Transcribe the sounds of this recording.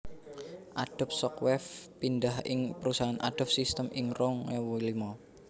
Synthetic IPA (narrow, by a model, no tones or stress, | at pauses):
ʔaɖ̥a̤p̚sɔkwɛfpindahɪ̰ŋpəɾusaɦanʔa̰ɖ̥ɔ̤p̚sist̪əmɪŋɾɔŋwulimɔ